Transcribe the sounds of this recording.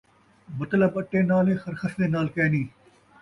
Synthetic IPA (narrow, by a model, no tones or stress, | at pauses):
mɐt̪ləbəʈːeːnaːlẽːxɐɾxəsneːnaːlkɛːniː